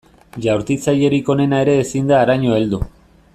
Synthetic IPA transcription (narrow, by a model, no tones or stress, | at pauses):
ʝawɾt̪it͡saje̞ɾiko̞ne̞nae̞ɾe̞ːsind̪aːɾaɲo̞e̞ld̪u